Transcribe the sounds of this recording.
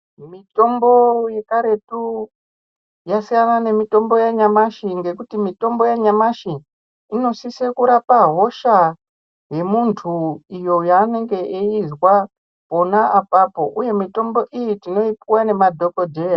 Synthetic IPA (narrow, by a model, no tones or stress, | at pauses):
mito̞mbo̞je̞kaɾe̞tu | jasijanane̞mito̞mbo̞jaɲamaʃiŋɡe̞kutimito̞mbo̞jaɲamaʃiː | no̞sisekuɾapaɦo̞ʃa | ɦe̞muntʰuijo̞jaːne̞ŋɡe̞ʔeizwa | po̞naapapo̞ʔuje̞mito̞mbo̞ʔijitino̞ipuwane̞madʱo̞ko̞dʱera